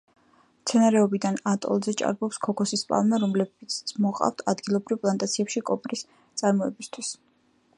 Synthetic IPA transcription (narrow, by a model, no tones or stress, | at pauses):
mt̪sʰɛnaɾɛɔbid̪anat̪ʼɔ̰lˠzɛt͡ʃʼa̰ɾbɔpskʰɔkʰɔsispʼa̰lˠmaɾɔmlɛbit̪smɔqʼa̰ft̪ʰad̪ɡilˠɔbɾivpʼlˠant̪ʼat̪sʰiɛpʃikʼɔpʼɾis | t̪sʼaɾmɔɛbist̪ʰwis